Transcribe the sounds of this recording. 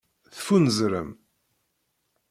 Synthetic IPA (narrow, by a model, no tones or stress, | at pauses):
θfunəzɾə̰m